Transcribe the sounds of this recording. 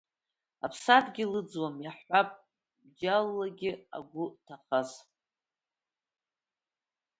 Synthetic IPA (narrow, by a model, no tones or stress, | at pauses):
apʰsadɡʲɪlɨd͡zwamjaħʷapʼ | bd͡ʒalːaɡʲɪa̰ɡʷʊtʰaχaz